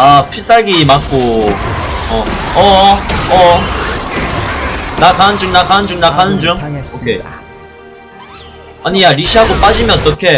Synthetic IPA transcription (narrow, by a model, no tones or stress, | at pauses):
apʰis͈aɭɡimak͈̚o | ʌ | ʌʌ | nakanɯnd͡ʑuŋnakanɯnd͡ʑuŋnakanɯnd͡ʑuŋokʰe | aɲiaɾiɕʰiɦaɡop͈ad͡ʑimjʌnt͈ʌkʰe